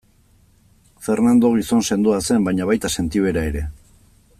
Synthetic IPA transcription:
fe̞ɾnand̪o̞ɣ̞iso̞nse̞nd̪uase̞mbajɲaβajt̪ase̞nt̪iβe̞ɾae̞ɾe̞

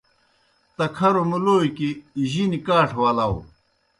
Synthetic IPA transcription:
t̪ɐkʰɐɾomuloːjkiʑinikaːʈʰwɐlɐw

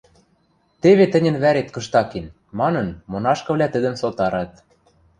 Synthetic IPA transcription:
t̪eβet̪ə̆nʲə̆nβæɾet̪kɤ̆ʃt̪ɑken | mɑnɤ̆nmonɑʃkɤ̆βlʲæt̪ə̆d̪ə̆msot̪ɑɾɑt̪

